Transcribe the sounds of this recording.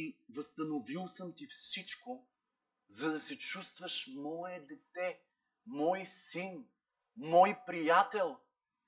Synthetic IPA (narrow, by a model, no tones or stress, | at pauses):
ivəst̪ɐnovilˠsəmt̪ifsit͡ʃko | zɐd̪ɐsɛt͡ʃust̪vəʃmɔɛd̪ɛt̪ɛ | mɔjsin | mɔjpɾijat̪ɛlˠ